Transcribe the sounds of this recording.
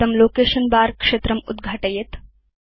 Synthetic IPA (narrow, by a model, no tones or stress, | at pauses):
ɐmloːkeʃɐnbaɾkʂet̪ɾɐmud̪ɡʱaːʈɐjet̪